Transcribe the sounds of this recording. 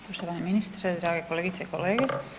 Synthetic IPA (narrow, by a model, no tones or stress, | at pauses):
poʃt̪oʋaːneminist̪ɾed̪ɾaːɡekoleːɡit̪seikoleːɡe